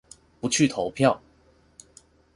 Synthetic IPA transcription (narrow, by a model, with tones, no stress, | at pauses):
pu˧˥t͡ɕʰy˥˩t̪ʰo˧˥ʊpʰjɑ˥˩ʊ